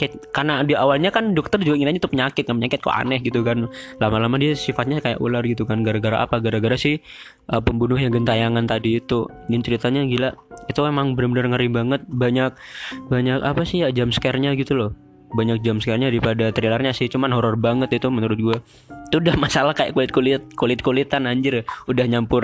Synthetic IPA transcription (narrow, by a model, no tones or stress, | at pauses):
kaakarnadiawalɲakandɔk̚t̪ərd͡ʒuɡaiŋɪnaɲat̪upəɲakɪt̪̚kanpəɲakɪt̪̚ko̰ʔa̰nɛhɡit̪ukanlamalamadiasifat̪̚ɲakaja̰ʔṵlarɡit̪ukanɡaɾaɡaɾaʔa̰paɡaɾaɡaɾasɪh | ʔəpəmbunʊhjaŋɡənt̪ajaŋant̪adiːt̪u | ɡɪnt͡ʃəɾit̪aɲaɡilaʔit̪uemaŋbənərbənərŋəɾibaŋət̪̚baɲak̚baɲakapasɪhjad͡ʒamsə̥kɛrɲaɡit̪ulɔh | baɲak̚d͡ʒamsə̥kɛrɲadaɾipadat̪ɾilarɲasɪht͡ʃumanɦɔɾɔrbaŋət̪̚it̪umənuɾʊt̪̚ɡua | it̪uudahmasalahkaja̰ʔkulɪt̪̚kulit̪̚kulɪt̪̚kulit̪anaɲd͡ʒɪrudahɲampʊr